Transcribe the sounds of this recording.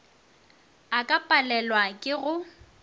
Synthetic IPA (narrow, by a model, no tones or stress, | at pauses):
akʼapʼalɛlwakʼɪɣʊ